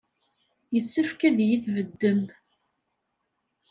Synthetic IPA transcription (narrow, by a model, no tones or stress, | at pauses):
jəsːəfkæðjiθvəd̪ːəm